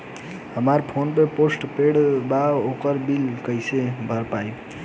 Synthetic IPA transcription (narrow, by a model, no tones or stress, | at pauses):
həmaɾpʰonpeposʈpeɽbaokəɾbilkəjsebʱəɾpaj